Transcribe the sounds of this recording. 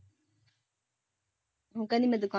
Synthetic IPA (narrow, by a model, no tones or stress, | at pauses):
ɦukɐnimɐd̪uka